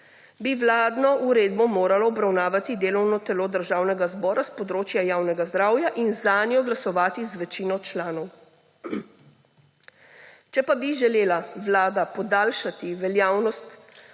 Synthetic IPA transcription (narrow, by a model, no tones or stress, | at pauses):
biʋlaːd̪nɔʔuɾeːd̪bɔmoːɾalɔːbɾawnaːʋat̪id̪eːlɔwnɔt̪ɛloːd̪əɾʒaːwnɛɡazbɔːɾaspɔd̪ɾoːt͡ʃjajaːwnɛɡazd̪ɾaːwjaʔinzaːnjɔɡlasɔʋaːt̪izʋɛt͡ʃiːnɔt͡ʃlaːnɔw | t͡ʃɛpabiʒɛleːlaʋlaːd̪apɔd̪aːlʃat̪iʋɛljaːwnɔst̪